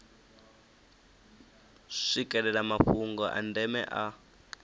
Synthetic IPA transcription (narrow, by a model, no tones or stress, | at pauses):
ʂikʼɛlɛlamaɸuŋɡɔʔa̰ndɛmɛ̰ʔa